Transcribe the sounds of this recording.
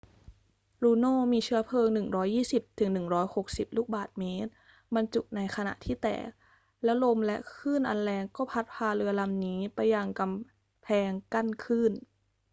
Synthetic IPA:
ɾuː˧noː˥˩miː˧t͡ɕʰɯ˦˥ɐpʰɤː˧ŋnɯ˨˩ŋɾɔː˦˥jːiː˥˩si˨˩p̚t̪ʰɯ˩˦ŋnɯ˨˩ŋɾɔː˦˥jho˨˩k̚si˨˩p̚luː˥˩k̚baː˨˩t̪̚meː˦˥t̪̚ | ba˧nt͡ɕu˨˩k̚na˧jkʰa˧na̰˨˩ʔt̪ʰiː˥˩t̪ɛ̰ː˨˩k̚ | lɛː˦˥wlo˧mlɛ˦˥ʔkʰɯː˥˩nʔa˧nlɛː˧ŋkɔː˥˩pʰa˦˥t̪̚pʰaː˧ɾɯ˧ɐla˧mniː˦˥pa˧jːa˧ŋka˧m | pʰɛː˧ŋka˥˩nkʰɯː˥˩n

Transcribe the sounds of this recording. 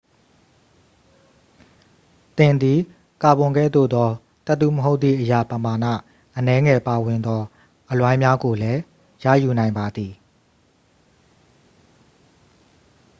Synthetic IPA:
t̪ɪ̃˨nd̪i˨ | ka˨bʊ̃˨ŋɡɛ̰˦˨d̪o̰˦˨d̪ɔ˦ | t̪ə˦ʔt̪ṵ˦˨məɦo˦ʊt̪t̪θḭ˦˨ʔəja˦˨pəma˨nä̰˦˨ | ʔənɛ˦ŋɛ˨pa˨wɪ̃˨nd̪ɔ˦ | ʔəlwã˦ɪ̃mja˦ɡo˨lɛ˦ | ja̰˦˨ju˨nã˨ɪ̃mba˨d̪i˨

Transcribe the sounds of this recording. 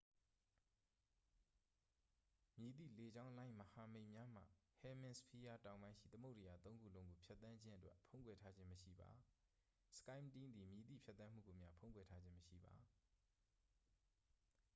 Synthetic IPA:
mji˨t̪ḭ˦˨le˨d͡ʑã˦ʊ̃lã˦ɪ̃məha˨mḛ̃˦˨ɪ̃mja˦m̥ä̰˦˨hɛ˨mɪ̃˨nspʰi˦ja˦tã˨ʊ̃bã˦ɪ̃ʃḭ˦˨t̪ə˦mo˦ʔtɪ˨ja˨t̪õ˦ʊ̃ŋɡu˦˨lõ˦ŋɡo˨pʰjɛ˦t̪θã˦ɲd͡ʑɪ̃˦ʔə˦twɛ̰˦ʔpʰõ˦ʊ̃ŋkwɛ˨tʰa˦d͡ʑɪ̃˦məʃḭ˦˨ba̰˨ | sə̥kã˦ɪ̃mtĩ˦nd̪i˨mji˨t̪ḭ˦˨pʰjɛ˦t̪ːθã˦m̥ṵ˦˨ɡo˨mja̰˦pʰõ˦ʊ̃ŋkwɛ˨tʰa˦d͡ʑɪ̃˦məʃḭ˦˨ba̰˨

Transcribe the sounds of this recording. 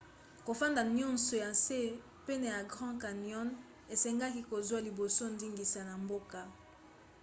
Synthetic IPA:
ko˨fã˦nda˨ɲɔ̃˦nso˨jã˨se˦ | pe˦na˨ja˨ɡʁɑ̃˦ka˨njɔ˦n | e˨sɛ˦ŋɡa˦ki˦ko˨zwa˦li˨bo˨so˦ndi˦ŋɡi˨sa˨na˨mbo˦ka˨

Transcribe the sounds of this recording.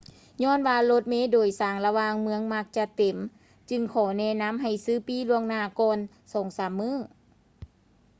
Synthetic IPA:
ɲɔː˧˥˨nwaː˧lo˧˥t̪̚meː˧˥doː˨˩jsaː˨˩ŋla˧waː˧ŋmɯ˧˥əŋma˧˥k̚t͡ɕa˧t̪e˨˩˦m | t͡ɕɯ˧ŋkʰɔː˨˩˦nɛː˧˥˨na˧˥˨mɦa˨˩jsɯː˧˥˩piː˧˥lu˧əŋnaː˧˩kɔː˧n | sɔː˩˦ŋsaː˨˦mːɯː˧˥˨

